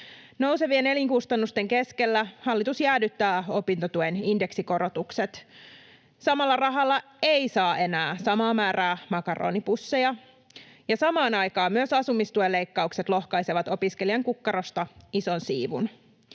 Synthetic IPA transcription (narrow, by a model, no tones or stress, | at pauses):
no̞wse̞ʋie̞ne̞liŋkust̪ɑnːust̪e̞ŋke̞ske̞lːæhɑlːit̪usjæːdyt̪ːæːo̞pint̪ot̪ueninde̞ksiko̞ɾot̪ukse̞t̪ | sɑmɑlːɑrɑɦɑlːɑ | eisɑːʔe̞næːsɑmɑːmæːræːmɑkɑro̰ːnipusːe̞jɑ | jɑsɑmɑːnɑjkɑːmmyøsɑsumːist̪uelːe̞jkːɑukse̞t̪lo̞hkɑjseʋɑt̪o̞piske̞liɑŋkukːɑɾost̪ɑiso̞nsiːʋṵn